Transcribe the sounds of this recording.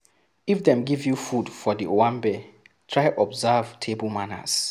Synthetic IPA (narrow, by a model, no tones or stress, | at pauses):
ifdɛ̃mɡivjufudfɔdiʔowãmbɛ | tʰɹajʔɔbzavtʰebəlmanə̰z̥